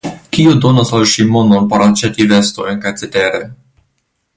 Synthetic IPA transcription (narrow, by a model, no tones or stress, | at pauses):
kiodonasalʃimo̞nonpoɾat͡ʃetivestojnkajt͡seteɾe